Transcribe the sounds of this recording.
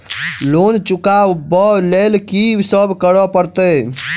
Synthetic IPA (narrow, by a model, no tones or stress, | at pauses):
lont͡ʃukabəlelkisəbʱkəɾəpəɾt̪ə